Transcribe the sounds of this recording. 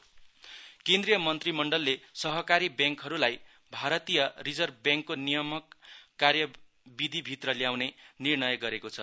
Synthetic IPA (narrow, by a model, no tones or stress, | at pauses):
kend̪rijʌmʌnt̪rimʌɳɖʌlːesʌɦʌkaɾibjaŋkɦʌɾulaj | bʱaɾʌt̪ijʌrid͡zʌrbjaŋkːonijʌmʌkːarjʌ | bid̪ʱibʱit̪rʌljawnenirnʌjɡʌɾekot͡sʰʌ